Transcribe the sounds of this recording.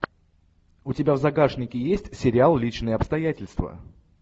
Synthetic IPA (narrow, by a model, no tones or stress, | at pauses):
ʊtʲɪbʲavzɐɡaʂnʲɪkʲɪjesʲtʲsʲɪɾʲɪalˠlʲit͡ɕnɨjəɐpst̪ɐjætʲɪlʲst̪və̰